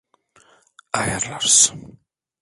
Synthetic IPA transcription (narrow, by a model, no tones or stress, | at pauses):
aːjaɾlaɾs